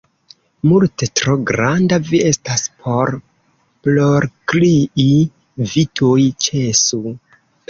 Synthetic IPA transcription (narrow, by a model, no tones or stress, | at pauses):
multe̞tɾo̞ɡɾandavie̞staspʰo̞ɾ | plo̞ɾkliʔi | vitʰojt͡ʃe̞su